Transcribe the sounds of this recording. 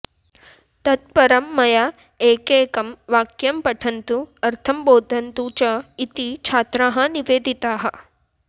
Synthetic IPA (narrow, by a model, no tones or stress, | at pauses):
t̪ɐt̪̚pɐɾɐmːɐja | eːkeːkɐmʋaːkjɐmpɐʈʰɐnt̪uɐɾt̪ʰɐmboːd̪ʱɐnt̪ut͡ʃɐit̪it͡ʃʰaːt̪ɾaːɦɐniʋeːd̪ʱit̪aːɦɐ̆